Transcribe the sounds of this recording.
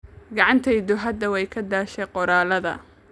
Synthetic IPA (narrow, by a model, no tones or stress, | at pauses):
ɡɑʕɑnt̪ʰɛjd̪ʊɦɐd̪ɐwɛjkʰɐd̪aːʃɛqɔɾaːlɐðɐ̰